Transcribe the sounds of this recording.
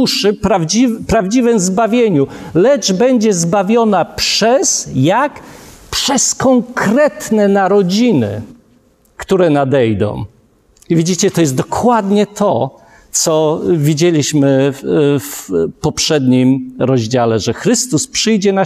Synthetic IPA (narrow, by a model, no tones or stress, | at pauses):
uʂɘpɾavd͡ʑivpɾavd͡ʑivɛmzbavʲjeɲulɛd͡ʐbɛɲd͡ʑɛzbavʲjɔnapʂɛsjakpʂɛskɔŋkɾɛt̪nɛnaɾɔd͡ʑinɘ̰ | kt̪uɾɛnad̪ɛjd̪ɔ̰̃w̃ | ivʲid͡ʑit͡ɕɛt̪ɔjɛst̪d̪ɔkwad̪ɲɛt̪ʰɔ | t̪sɔvʲid͡ʑelʲiɕmɘ | fpɔpʂɛd̪ɲimɾɔʑd͡ʑalɛʐɛxɾɘst̪uspʂɘjd͡ʑɛna